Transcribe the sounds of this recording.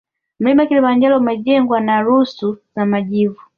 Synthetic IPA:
m̩limakilimaɲd͡ʒalɔmaɟɛŋɡwanaɾusuzamaɟivu

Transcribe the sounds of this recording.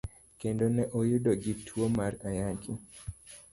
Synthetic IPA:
kendonɛʔojudɔɡitʰwomaɾajaɡi

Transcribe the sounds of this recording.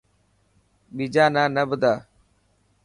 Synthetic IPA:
ɓiːd͡ʒaːnãːnəbʊd̪aː

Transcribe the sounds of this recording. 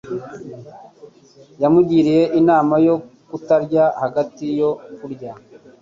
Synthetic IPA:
jamuɟiːɾije̞ʔinaːmajo̞kutaɾɟahaɡatijo̞kuɾɟa

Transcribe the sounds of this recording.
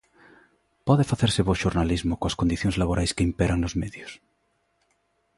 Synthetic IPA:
pɔðefaθeɾseβoʃoɾnalizmokoaskond̪iθjõŋzlaβoɾʔajskeimpeɾaŋnozmeðjos

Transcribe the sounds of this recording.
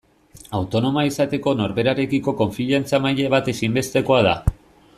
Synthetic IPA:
awt̪o̞no̞maisat̪e̞ko̞no̞ɾβe̞ɾaɾe̞kiko̞ko̞ɱfiʎant͡samaʎeβ̞at̪e̞simbe̞st̪e̞ko̞aða̰

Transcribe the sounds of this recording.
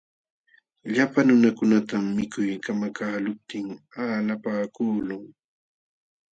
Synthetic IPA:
ʎapanʊnakʊnat̪amːɪkʊjkamakaːlʊp̚t̪ɪŋalapaːkuːlʊŋ

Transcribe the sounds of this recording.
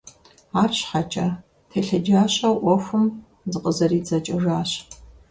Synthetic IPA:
aːrɕħat͡ʃʼɐ | tʰeːɬɐd͡ʒaːɕʼaʔʷɔxʷʊm | zɨqʼəzɐriːd͡zɐt͡ʃʼɐʐaːɕ

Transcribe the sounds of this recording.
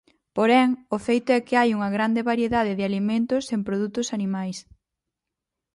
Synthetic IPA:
poɾɛŋʊfejt̪ʊɛkɪajuŋɐɣɾand̪eβaɾjeðaðɪðɪalimẽnt̪ʊsempɾoðut̪ʊsanimajs

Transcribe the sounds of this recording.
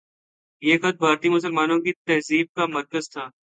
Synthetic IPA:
jeːxɐt̪̚bʱaːɾt̪imʊs̬əlmaːnõkit̪ɐɦziːb̚kamɐɾkəzt̪ʰaː

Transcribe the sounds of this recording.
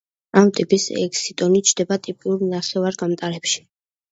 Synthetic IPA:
amt̪ʼipʼisɛ̰kʼsit̪ʼɔnit͡ʃʰd̪ɛbat̪ʼipʼiuɾnaχɛvaɾɡamt̪ʼaɾɛpʃi̥

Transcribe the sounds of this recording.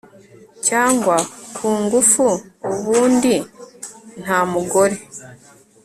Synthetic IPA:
caːŋɡwakʰuːŋɡufuuβuːndi | n̥haːmuɡo̞ɾe̞

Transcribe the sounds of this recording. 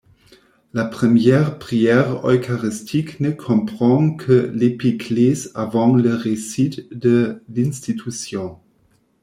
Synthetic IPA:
lapχəmjɛːʁpχiɛʁœ̰kaʁist̪ʰiknəkʰɔ̃pχɑ̃kʰəlepiklesavɑ̃ləʁesit̪d̪əlĩnst̪it̪ʰysjɔ̃

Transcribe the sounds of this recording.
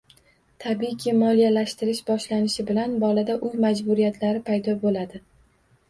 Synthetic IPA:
t̪ʰabikʲʰɪmɒlijalaʃt̪ɪɾɪʃbɒʃlanɪʃɪbɪlanbɒlad̪aʔʊjmad͡ʒbʊɾijat̪ʰlaɾɪpʰajd̪ɒbolad̪ɪ

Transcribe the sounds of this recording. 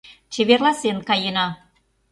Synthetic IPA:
t͡ɕeβerlɑsenkɑjenɑ

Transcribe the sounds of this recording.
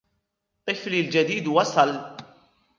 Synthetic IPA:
tɛflild͡ʒɛd̪iːd̪wɐsɐl

